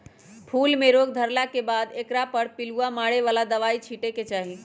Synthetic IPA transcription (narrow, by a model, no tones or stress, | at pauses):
pʰulmeɾoɡd̪ʱəɾlakebad̪ekɾapəɾpiluamaɽeʋalad̪əʋait͡ʃʰiʈeket͡ʃaɦi